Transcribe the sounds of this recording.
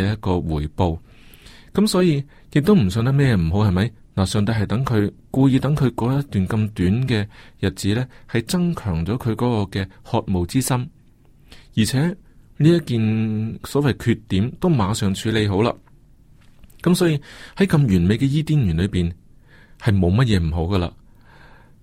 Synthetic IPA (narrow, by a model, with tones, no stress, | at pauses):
jɐ˥t̚kɔː˧wuː˨˩jpo˧w | kɐ˨˥msɔː˨˥jiː˧ | jɪ˨k̚t̪o˥wm̩˨˩sœː˨˧ŋt̪ɐ˥mɛː˥jɛ˧m̩˨˩ɦo˨˥whɐ˨jmɐ˨˥j | naː˨˩sœː˨˩ŋt̪̬ɐ˧jɦɐ˨jt̪ɐ˨˥ŋkʰɵ˨˧ɥkuː˧jiː˧t̪ɐ˨˥ŋkʰɵ˨˧ɥkɔː˨˧˥jɐ˥t̪yː˨˩nkɐ˧mt̪yː˨˥nkɛː˧jɐ˨t̚t͡siː˨˥lɛː˥hɐ˨jt͡sɐ˥ŋkʰœː˨˩ŋt͡sɔː˨˥kʰɵ˨˧ɥkɔː˨˦˥kɔː˧kɛː˧hɔː˧t̚mo˨wt͡siː˥sɐ˥m | jiː˨˩t͡sʰɛː˨˥niː˥jɐ˥tkiː˨˧nsɔː˨˥wɐ˨jkʰyː˧t̪ːiː˨˥mt̪o˥wmaː˨˧sœː˨ŋt͡ʃʰyː˨˧˥le˨˧jɦo˨˥wla̰ː˧ | kɐ˨˥msɔː˨˥jiː˧hɐ˨˥jkɐ˧mjyː˨˩nme˨˧jkɛː˧jiː˥t̪iː˥njyː˨˩nlɵ˨˧ɥpiː˨n | hɐ˨jmo˨˧wmɐ˥t̚jɛː˨˧m̩˨˩ɦo˨˥wɡɐ˧la̰ː˧